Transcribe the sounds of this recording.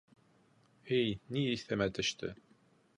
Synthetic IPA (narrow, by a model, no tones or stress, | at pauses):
ɘjniiθæmæt̪ɵ̆ʃt̪ʰɘ̰